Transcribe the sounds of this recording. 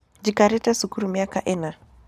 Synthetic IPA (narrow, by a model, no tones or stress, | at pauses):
d͡ʒikaɾɛtɛsukuɾumiakaʔɛna